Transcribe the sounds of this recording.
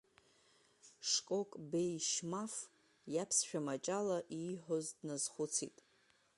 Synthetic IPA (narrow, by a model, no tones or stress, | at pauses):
ʂkʼo̞kʼbejʃmaf | japʰsʃᶣamat͡ʃʼalaʔiħozdnazχʊt͡sʰḭtʼ